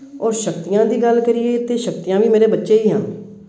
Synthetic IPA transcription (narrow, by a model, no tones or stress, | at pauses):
ɔːɾʃəkt̪ɪjãːd̪iːɡəlkəɾɪjeːt̪eːʃəkt̪ɪjãːʋiːmeːɾeːbətːʃeːiːɦãː